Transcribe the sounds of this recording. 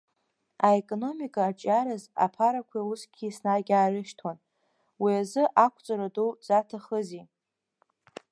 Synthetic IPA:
aekʼo̞no̞mikʼaːt͡ʃʼaɾaza̰pʰaɾakʷʰiusɡʲisnaɡʲaːrɪʃtʰon | wiazɨʔakʷʰʼt͡sʼaɾaduwd͡zatʰaχəzi

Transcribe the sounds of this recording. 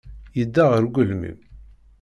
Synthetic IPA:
jəd̪ːaʁəɾɡʷʊlmḭm

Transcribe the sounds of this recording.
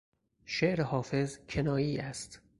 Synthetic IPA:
ʃeʔɾehɒːfe̞zkʰenɒːjiːæst̪

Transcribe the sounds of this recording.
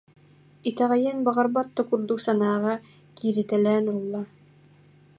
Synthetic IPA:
it̪ɑʁɑjænbɑʁɑɾbɑt̪ːŏkuɾd̪usɑnɑːʁɑ | kiɾɘ̆t̪ælænulˠːɑ

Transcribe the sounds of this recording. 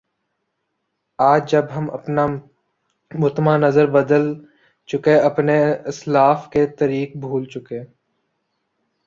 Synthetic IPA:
aːd͡ʒd͡ʒəbɦəmɐ̰pna | mʊt̪manəzəɾbəd̪əl | t͡ʃʊkeɐpneɪslaːfket̪əɾiːk̚bʱuːlt͡ʃʊkeː

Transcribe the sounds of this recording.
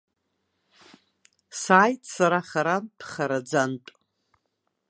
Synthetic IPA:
saːjtʰʼsaɾaχaɾanpʰχaɾad͡zantʼ

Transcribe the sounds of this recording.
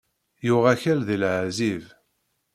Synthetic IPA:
jʊʁæçælðilʕziv

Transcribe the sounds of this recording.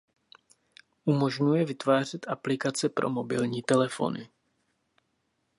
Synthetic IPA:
ʔumo̞ʒɲujɛvɪt̪vaːr̝ɛt̪ʔaplɪkat͡sɛpɾo̞̰mobɪlɲiːt̪ɛlɛfo̞̰nɪ̰

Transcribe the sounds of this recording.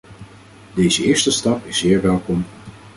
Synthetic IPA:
dejzəɪːɹstəstɑpɪszɪːɹʋɛlˠkɔm

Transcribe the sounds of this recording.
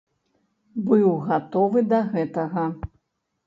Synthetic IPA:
bɨwɣat̪ɔvɨd̪ɐɣɛt̪ɐɣɐ

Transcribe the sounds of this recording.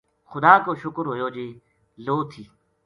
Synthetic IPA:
xʊd̪aːkoːʃʊkɾɦoːjoːd͡ʒiː | loːt̪ʰiː

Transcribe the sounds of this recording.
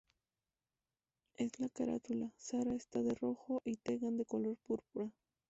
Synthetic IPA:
e̞slakaɾa̰t̪ulasaɾaest̪aðe̞ro̞xo̞ʔit̪e̞ɣand̪e̞ko̞lo̞ɾpuɾpuɾa

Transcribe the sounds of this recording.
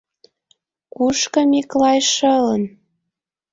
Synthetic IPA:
kuʃkə̆miklɑjʃɤlən

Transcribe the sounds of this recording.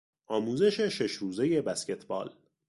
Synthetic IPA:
ʔɒːmuːzeʃe̞ʃe̞ʃɾuːze̞je̞bæsce̞t̪ʰbɒ̰ːl

